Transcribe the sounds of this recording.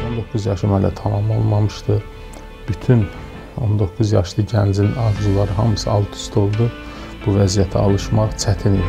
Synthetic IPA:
o̞nd̪o̞kʰːuzjɑʃɯmhælæ̰t̪ʰɑmɑmlˠolˠmɑmɯʃt̪ɯ | b̥yt̪ʰyn | o̞̰nd̪o̞kʰːuzjɑʃlˠɯɟænd͡ʒinɑɾd͡ʒulˠɑɾɯɦɑmɯsɯɑlˠt̪ʰu̥st̪ʰo̞lˠd̪u | b̥uvæzijæt̪ʰæɑlˠɯʃmɑʁt͡ʃʰæt̪ʰini

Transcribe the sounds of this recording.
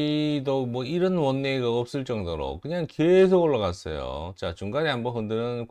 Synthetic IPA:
domwʌiɾʌnwʌnːeɡaʌp̚s͈ɯɭt͡ɕ͈ʌŋdoɾo̰kɯɲaŋkes̬ʰoɡoɭːaɣas͈ʌ̰jo̰t͡ɕat͡ɕuŋɡaɲiɦambʌɦɯndɯɾɯn

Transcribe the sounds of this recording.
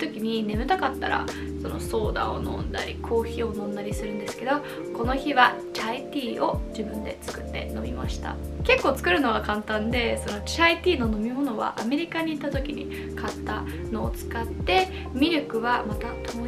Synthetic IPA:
t̪o̞kʲiɲ̟ine̞mɯ̟t̪akat̪ːa̰ɾa̰ | so̞no̞so̞ːd̪a̰o̞̰nõ̞nd̪a̰ɾʲikʰo̞ːçio̞nõ̞nd̪aɾʲisɨɾɯ̟̃nd̪e̞sɨ̥ke̞d̪o̞ | ko̞no̞çiβa | t͡ɕait̪ʲiːo̞d͡ʑibɯ̟̃nd̪e̞̰t͡sɨ̥kɯ̟t̪ːe̞̰no̞̰mʲḭmaɕi̥t̪a̰ | ke̞kːo̞ːt͡sɨ̥kɯ̟ɾɯ̟no̞ɡakãnt̪ãnd̪e̞sono̞t͡ɕait̪ʲiːno̞no̞mʲimo̞no̞βa̰ʔːme̞ɾʲikaɲ̟iːt̪ːat̪o̞kʲiɲ̟ḭ | kat̪ːa | no̞ːt͡sɨ̥kat̪ːe̞ | mʲiɾʲokɯ̟βamat̪at̪o

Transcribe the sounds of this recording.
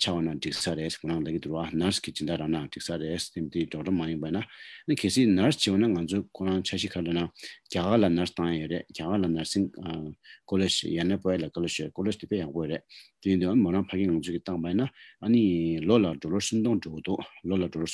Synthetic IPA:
t͡ɕʰawanaʈ͡ʂiksaɾesmoaŋlait̪uwanaskit͡ɕid̪aɾaŋnaʈ͡ʂik̚sarest̪et̪iʈ͡ʂoʈ͡ʂamajipainaʔənikʰeːsiːnast͡ɕʰiwanaŋant͡sʰokʰoɹaŋt͡ɕʰaɕikʰalanacakaːlanast̪ãŋjajøɾeʔcakaːlanaɹsiŋ | kolet͡ɕjanapojalakaloɕøkolet̪ipejaʔpojøɾeʔt̪ijid̪uʔanimonaŋpʰakeːŋant͡sʰøːkit̪aŋpajinaʔanilolaʈ͡ʂolosʰunt̪oŋʈ͡ʂokit̪uʔlolaʈ͡ʂoo

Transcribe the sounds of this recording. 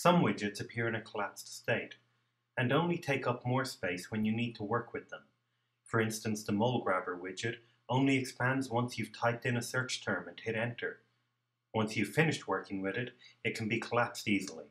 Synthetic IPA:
sʌ̃mwɪd͡ʒɨtsɨpʰɪɹɨ̃nɨkʰəlæpststeɪɾ | ɨ̃nõʊ̃nlitʰeɪkʌp̚mɔɹspeɪswɨ̃njɨnid̚tʰəwɜ˞kʰwɨðə̃m | fə˞ɪ̃nstɨ̃n̩sðəmoʊlˠɡɹævə˞wɪd͡ʒɨɾ | õʊ̃nliɨkspæ̃ndzwʌ̃nsjʉv̥tʰaɪp̚tɨ̃nəsɜ˞t͡ʃtʰɜ̃˞mɨ̃nhɪɾɛ̃ntʰə˞ | wʌ̃nsjɨv̥fɪ̃nɨʃt̚wɜ˞kɪ̃ŋwɪðɪɾɨt̚kʰn̩bikʰəlæpstizəl̩ˠḭ

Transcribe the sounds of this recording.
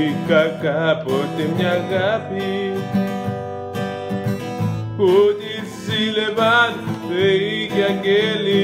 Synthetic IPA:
kakapotemɲaɣapi | kodi | zilebanbeiɡjakeli

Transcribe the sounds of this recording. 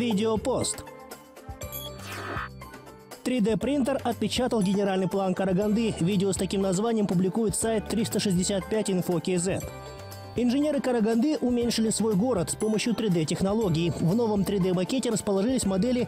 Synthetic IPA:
vʲidʲɪopo̞st̪ | t̪ɾʲɪd̪ɛpɾʲint̪ərɐt̪̚pʲɪt͡ɕat̪əlˠɡʲɪnʲɪɾalʲnɨjplˠankəɾɐɡɐnd̪ɨvʲidʲɪost̪ɐkʲimnɐzvanʲɪjəmpʊblʲɪkujɪt̪sajt̪ːɾʲist̪əʂɨzʲdʲɪsʲat̪̚pʲætʲɪnfokʲɪzɛt̪ | ɪnʐɨnʲe̞ɾɨkəɾəɡɐnd̪ɨʔʊmʲenʲʂɨlʲɪsvo̞jɡo̞ɾət̪spo̞məɕjʊt̪ɾʲɪd̪ɛtʲɪxnɐlˠo̞ɡʲɪːvno̞vəmt̪ɾʲɪd̪ɛmɐkʲetʲɪɾəspəlˠɐʐɨlʲɪsʲmɐd̪ɛlʲɪ

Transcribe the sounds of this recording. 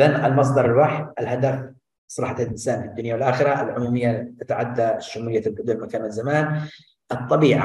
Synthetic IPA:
analmɑs̬ˤd̪ˤɑɾˤɪlwaħʔɪlhad̪af | sˤɾˤɑħat̪lʔɪnsaːnfid̪ːʊnjawɪlʔaːxɪɾaʔɪlʕʊmuːmɪjːat̪at̪aʕad̪ːaʃʊmuːɪjːalɡʊd̪ʊlmakaːnalzamaːn | ʔɨt̪ˤːɑbiːʕa̰

